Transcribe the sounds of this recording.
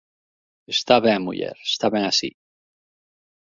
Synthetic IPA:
est̪aβemṵʎḛɾest̪aβeŋasḭ

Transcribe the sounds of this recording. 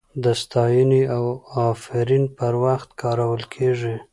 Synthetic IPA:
d̪əst̪ɑjəniawɑfɪɾinpəɾwaxt̪kʰɑɾawəlkʰeʐi

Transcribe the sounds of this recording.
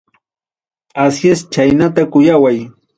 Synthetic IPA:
asjest͡ʃajnat̪akʊjawaj

